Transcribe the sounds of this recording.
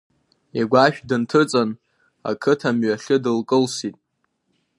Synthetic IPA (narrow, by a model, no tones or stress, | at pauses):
aɡʷaʃᶣdɨntʰɨt͡sʼan | a̰kʰɨtʰamɥaɬʲɨdɨlkʼɨlsitʼ